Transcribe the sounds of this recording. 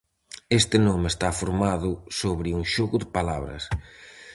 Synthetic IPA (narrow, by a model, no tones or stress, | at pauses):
est̪ɪnomɪest̪afoɾmaðʊsoβɾɪuŋʃoɣʊðɪpalaβɾɐ̰s